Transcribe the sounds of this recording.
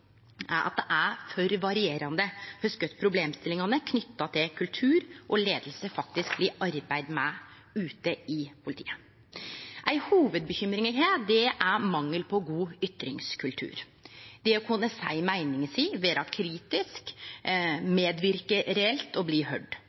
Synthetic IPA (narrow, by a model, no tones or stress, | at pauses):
ʔæɾʔɑ̰t̪̚d̪ɛʔæfœɾʋɑɾɪeːɾɑnd̪əhœskœt̪pʰɾʊbleːmst̪ɪlːɪŋɑnəkʰnʏt̪ːɑt̪ʰɪlkʰʉlt̪ʰʉːɾʔɔleːd̪əl̩səfɑk̚t̪ɪsk̚bliːʔɑɾbæɪd̪mɛ | ʉːt̪əɪpʰʊlɪt̪ʰḭːə | ʔæɪhuːʋəd̪̚bəçʏmɾɪŋəɦeːt̪d̪ɛʔæɾmɑŋːəlpʰɔɡuːʏt̪ɾɪŋskʰʉlt̪ʰʉ̰ːɾ | d̪ɛɔkʰʊnːəsæɪmæɪnɪŋəsiːʋeːd̪ɑkʰɾiːt̪ɪsk | meːd̪ʋɪɾkəɾɛɛlt̪ɔbliːɦœɖ